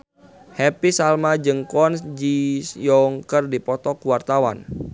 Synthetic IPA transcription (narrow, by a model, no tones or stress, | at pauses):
hɛpisalmad͡ʒɨŋkɔnsd͡ʒisjɔŋkərdipɔt̪ɔkuwart̪awa̰n